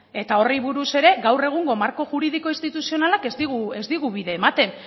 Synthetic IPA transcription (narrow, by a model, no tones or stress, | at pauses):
e̞t̪ao̞riβuɾuse̞ɾe̞ɡawre̞ɣ̞uŋɡo̞maɾko̞ʝuɾið̞iko̞inst̪it̪usio̞nalakezd̪iɣue̞zd̪iɣuβiðe̞ːmat̪e̞n